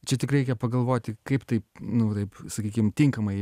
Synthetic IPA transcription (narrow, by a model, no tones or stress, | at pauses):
t͡ʃʲɛt̪ʲɪkrʲɛɪkʲɛpɐɡɐlˠʋoːt̪ʲɪkɐɪpt̪ɐɪpnʊt̪ɐɪpsɐkʲiːkʲɪmt̪ʲɪŋkɐmɐɪ